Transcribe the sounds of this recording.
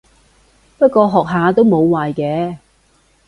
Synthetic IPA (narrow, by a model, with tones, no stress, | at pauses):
pɐ˥t̚kɔː˧ɦɔː˨k̚ɦaː˨˧t̪o˥wmo˨˧wwaː˨jkɛː˨˧